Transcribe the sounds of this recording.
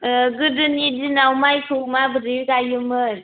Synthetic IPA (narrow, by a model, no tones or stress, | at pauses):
ɡɯdɯnidinawmajsʰumabɯɾikajɯmɯj